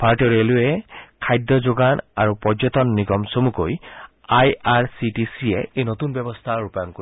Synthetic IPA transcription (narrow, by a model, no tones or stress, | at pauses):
pʰaɹʈɔɹelʊɛkʰajd̪jɔd͡ʒoɡana̰ɹupɔd͡ʒɔt̪ɔnːiɡɔmsomukoj | ajaɹsitisiɛejnot̪unbɛbɔst̪ʰaɹupajɔŋko